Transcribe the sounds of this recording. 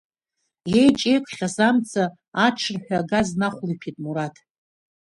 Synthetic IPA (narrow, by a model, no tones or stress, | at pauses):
jejt͡ʃʼe̞jkʷʰʼχʲasamt͡sʰaː | ʈ͡ʂʰɨrħʷᶣaɡaznaχʷlipʰitʼmuɾatʰ